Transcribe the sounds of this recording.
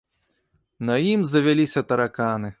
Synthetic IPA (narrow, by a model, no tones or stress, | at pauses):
nɐjimzɐvʲalʲisʲɐt̪ɐɾakanɨ